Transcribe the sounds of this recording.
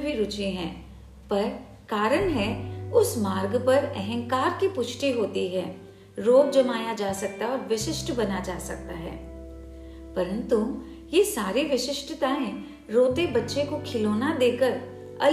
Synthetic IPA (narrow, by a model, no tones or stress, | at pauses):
bʱiɾʊt͡ʃeɦɛ̃ː | pɐɾ | kaːɾəɽɦɛʊsmaːɾɡpɐɾɛ̰ɦɛ̃ŋkaːɾkipʊt͡ʃʰʈiɦoːt̪iɦɛ̃ː | ɾoːɡd͡ʒɐmaːjad͡ʒaːsɐk̚t̪aɔːɾʋɪʃɪʃʈbɐnad͡ʒaːsɐk̚t̪aɦɛ̰ː | pɐɾə̃nt̪u | jesaːɾiʋɪʃɪʃʈət̪aːẽ | ɾoːt̪ebɐtːʃekokʰɪloːnad̪eːkəɾ | ɐ̰l